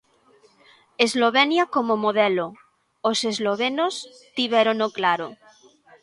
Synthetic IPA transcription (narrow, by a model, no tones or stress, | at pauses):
ezloβenjakomomoðelo | osezloβ̞enos | t̪iβɛɾonoklaɾo